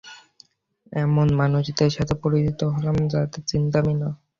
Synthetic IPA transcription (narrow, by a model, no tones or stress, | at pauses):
ɛmonmanud͡ʑid̪eɾʃat̪ʰepoɾit̪it̪oɦɔlamd͡ʑat̪et͡ɕint̪amina